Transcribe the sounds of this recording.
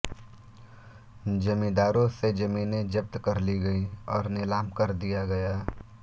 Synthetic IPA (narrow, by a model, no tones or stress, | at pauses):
d͡ʒɐmĩd̪aːɾõsed͡ʒɐmiːnẽd͡ʒɐb̚t̪kɐɾliɡɐiɔːɾnɪlaːmkɐɾd̪ijaɡɐjaː